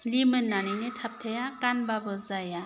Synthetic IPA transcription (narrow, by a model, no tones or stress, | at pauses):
limɯnːaninitʰap̚tʰajakanbabɯzaja